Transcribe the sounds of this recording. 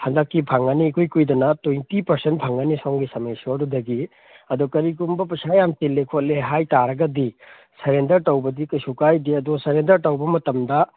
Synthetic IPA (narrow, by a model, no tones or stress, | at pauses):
hɐndɐkːipʰaŋɐniːkʰujkujdɐnɐtojntipɐɾsent̚pʰaŋanisɔŋɡisɐmɐjsuɐdudɐɡi | ɐdɔkɐɾik̬umbɐpɐsajamtilːekʰot̚leɦajtaɾɐɡɐdi | sɐɾendɐɾtɐwbɐdikɐsukajdiɐdɔsɐɾendɐɾtɐwbɐmɐtɐmdɐ